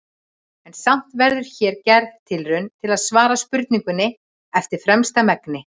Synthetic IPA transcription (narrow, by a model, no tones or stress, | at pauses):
ɛnsam̥t̪vɛɾðʏɾ̥çɛːɾcɛɾðt̪ʰːɪlrʏnt̪ʰɪlaðsvaːɾaspʏɾt̪niŋkʏnːɪ | ɛft̪ɪɾ̥fɾɛmst̪amɛknɪ